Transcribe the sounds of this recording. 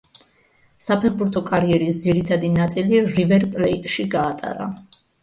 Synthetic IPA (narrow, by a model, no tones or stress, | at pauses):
sapʰɛχbuɾt̪ʰɔkʼaɾiɛɾisd̪ziɾit̪ʰad̪inat̪sʼiliɾivɛɾpʼlɛit̪ʼʃiɡaːt̪ʼa̰ɾa̰